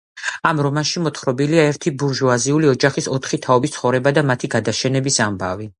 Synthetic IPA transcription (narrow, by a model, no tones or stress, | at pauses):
amɾɔmanʃimɔt̪χɾɔbiliaɛɾt̪ʰibuɾʒuaziuliɔd͡ʒaχisɔt̪ʰχit̪ʰaɔbist̪sʰχɔvɾɛbad̪amat̪ʰiɡad̪aʃɛnɛbisamba̰vi